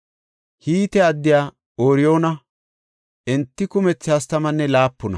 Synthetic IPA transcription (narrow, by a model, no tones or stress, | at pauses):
hiːt̪ɛɐd̪ːɪjaː | oːɾɪjo̞ːnɐ | ɛnt̪ːɪkʊmɛt͡sːɪɐst̪ɐmɐnːɛlaːpːʊnɐ̰